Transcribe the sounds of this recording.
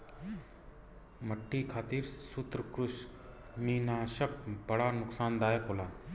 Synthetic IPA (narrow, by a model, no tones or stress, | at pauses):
məʈːiːkʰaːt̪iːɾsʊt̪ɾəkɾʊʃ | miːnaːʃɐp̚bɐɽaːnʊksaːnd̪aːjəkɦoːlaː